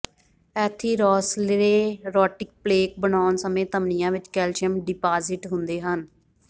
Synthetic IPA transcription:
ɛːt̪ʰiːɾɔːslɪɾeːɾɔːʈɪk̚pleːk̚bənaːnsəmẽːt̪əmnɪjãːʋɪt͡ʃkɛːlʃəmɖɪpaːzɪʈɦʊnd̪eːɦən

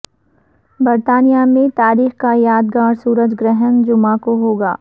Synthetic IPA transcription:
bɐɾt̪aːnijamẽt̪aːɾiːxkajaːd̪̚ɡaːɾsuːɾəd͡ʒɡɾɛɦənd͡ʒʊmãkoɦoːɡa̰ː

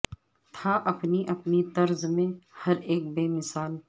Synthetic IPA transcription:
t̪ʰaʔɐpniʔɐpnit̪ɐɾzmẽhɐɾeːk̚beːmɪsaːl

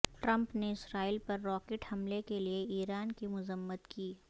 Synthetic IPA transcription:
ʈɾɐ̃mpneɪsɾaːiːlpɐɾːɔːkeːʈhɐmlekelieiːɾaːnkimʊzəmːət̪kiː

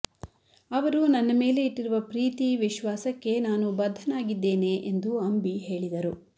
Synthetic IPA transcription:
ɐʋɐɾunɐnːɐme̞ːle̞iʈːiɾuʋɐpɾiːt̪iʋiʃʋaːsɐkːe̞naːnubɐd̪ʱːɐnaːɡid̪ːe̞ːne̞ʔend̪uɐmbiɦe̞ːɭid̪ɐɾu

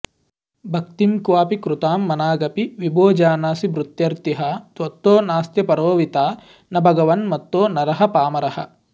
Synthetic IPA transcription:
bʱɐkt̪imkʋaːpikɾut̪aːmːɐnaːɡɐpiʋiboːd͡ʒaːnaːsibɾut̪jɐɾt̪iɦɐt̪ʋɐt̪ːoːnaːst̪jɐpɐɾoːʋit̪aː | nɐbʱɐɡɐʋɐnmɐt̪ːoːnɐɾɐɦɐpaːmɐɾɐhɐ̰

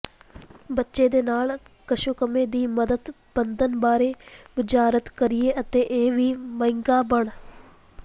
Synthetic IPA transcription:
bətːʃeːd̪eːnaːlkəʃuːkəmeːd̪iːməd̪əd̪ | b̥ənd̪ənbaːɾeːʋɪd͡ʒaːɾət̪kəɾijeːʔət̪eːʔeːʋiːməɪ̃ŋɡaːbəɳ

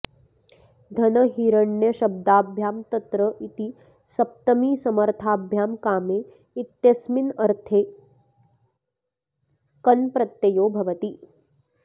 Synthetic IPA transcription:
d̪ʱɐnɐɦiːɾɐɳjɐʃɐb̚d̪aːbʱjaːmt̪ɐt̪ɾəʔit̪i | sɐp̚t̪ɐmiːsɐmɐɾt̪ʰaːbʱjaːmkaːmeː | it̪jɐsminɐɾt̪ʰeː | kɐnpɾɐt̪jɐjoːbʱɐʋɐt̪i

